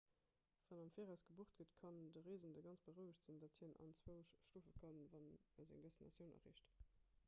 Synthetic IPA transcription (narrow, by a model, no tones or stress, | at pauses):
v̥ɑnɑmfiːʁæʊsɡ̥əbuəχt̚ɡ̥ətkʰɑndəʁeːzəndəɡɑnt͡sb̥əʁəʊəɕtz̥indɑthiːnɑ̰nt͡sw̥əʊʃʃtuːfəkʰənvɑnəzæ̰ŋdɛsinɑ̰sjəʊnɐ̰ʁḛːʃt